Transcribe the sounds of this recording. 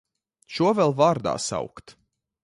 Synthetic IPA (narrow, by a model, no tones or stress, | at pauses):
ʃuɔvɛlˠvaɾd̪a̰ːsa̰wkt̪